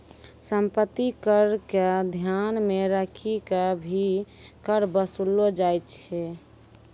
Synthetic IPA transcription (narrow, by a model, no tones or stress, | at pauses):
səmpət̪ːikəɾkad̪ʱjanmeɾəkʰikabʱi | kəɾbəsulod͡ʒajt̪t͡ʃʰɛ